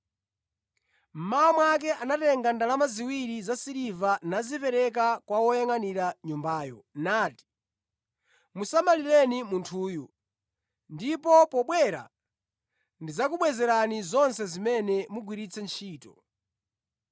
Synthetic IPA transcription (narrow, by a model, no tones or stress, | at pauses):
m̩maɔmwak̬ɛʔanatɛŋɡandalamaziwiɾizasiɾivanazipɛɾɛk̬akwawɔjaŋaniɾaɲumbaːjɔnaːti̥ | musamaliɾɛnimuntʰuːju | ndipɔpɔɓwɛɾa̰ | ndizakuɓwɛzɛɾanizɔnsɛzimɛnɛmuɡwiɾit͡sʰɛnt͡ʃʰiːtɔ